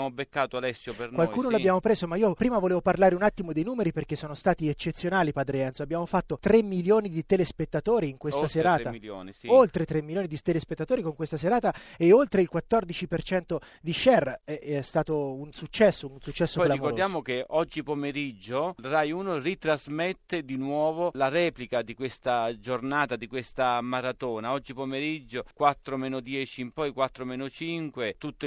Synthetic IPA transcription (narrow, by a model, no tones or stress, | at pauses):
mobekːaːt̪oalɛsːjopenkwalkuːnolabjaːmopɾeːzomaiːopɾiːmavoleːvoparlaːɾeunat̪ːimod̪ejnuːmeɾiperk̟esːɔːnost̪aːt̪iet͡ʃːet̪sːjonaːlipaːd̪ɾeɛnt̪soabːjaːmofat̪ːot̪ɾemːiljoːnid̪it̪elespet̪ːat̪oːɾiːŋkwesst̪aseɾaːailjo̰ːnisolt̪ɾet̪ɾemːiljoːnid̪it̪elespet̪ːat̪oːɾikoŋkwest̪aseɾaːt̪aeolt̪ɾeilkwat̪ːɔrd̪it͡ʃipert͡ʃɛnt̪o | d̪iʃɛrɛɛst̪aːt̪ounsut͡ʃːɛsːounsut͡ʃːɛsːoɔjelːaikoɾd̪jaːmok̟eʔɔd͡ʒːipomeɾid͡ʒːorajuːnorit̪ɾazmɛt̪ːed̪inwɔːvolaɾɛːplikad̪ikwest̪ad͡ʒornaːt̪ad̪ikwest̪amaɾat̪oːnaɔd͡ʒːipomeɾid͡ʒːokwat̪ːɾomɛːnod̪jɛːt͡ʃiːmpɔjkwat̪ːɾomɛːnot͡ʃiŋkwet̪ut̪ː